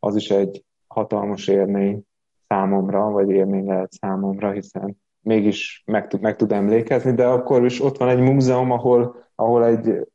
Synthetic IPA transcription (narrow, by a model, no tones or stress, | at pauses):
ɒziʃɛɟ | hɒt̪ɒlmɒʃeːrmeːɲ | saːmo̞mrɒvɒɟeːrmeːɲlɛɦɛt̪saːmo̞mrɒɦisɛn | meːɡiʃmɛkt̪ud̪mɛk̚t̪ud̪ɛmleːkɛznid̪ɛɒkːo̞riʃo̞t̪ʋɒnɛɟmuːzɛomɒɦo̞lʔɒɦo̞lɛɟ